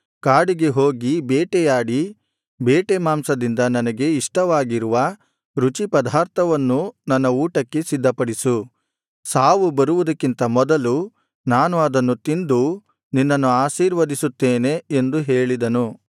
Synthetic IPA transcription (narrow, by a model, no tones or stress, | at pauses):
kaːɽiɡe̞ɦoːɡibɛːʈɛjaːɽi | bɛːʈemaːmsɐd̪ind̪ɐnɐnɐɡe̞iʂʈɐʋaːɡiɾuʋɐ | ɾut͡ʃipɐd̪ʱaːɾt̪ʰɐʋɐnːunɐnːɐuːʈɐkːe̞sid̪ʱːɐpɐɽisu | saːʋubɐɾuʋud̪ɐkːint̪ɐmɔd̪ɐlu | naːnuɐd̪ɐnːut̪ind̪u | ninːɐnːuaːʃiːɾʋɐd̪isut̪ːeːne̞ːnd̪uɦe̞ːɭid̪ɐnu